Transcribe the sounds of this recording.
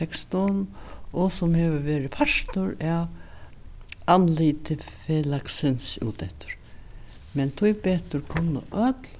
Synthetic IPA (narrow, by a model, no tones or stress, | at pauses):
ɛkst̪ɔnɔsɔmhɛːʋəʋɛːɾɪpʰaʂt̪ʊɾɛʋ | anliːt̪ɪfɛlaksɪnsṵːt̪ɛht̪ʊ̥ɾ̥ | mɛnt̪ʰujpɛːt̪ʊɾkʰʊnːə̰ʔœt̪l